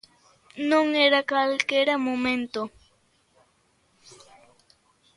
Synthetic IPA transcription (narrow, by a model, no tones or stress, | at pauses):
noŋeɾakalkeɾamoment̪o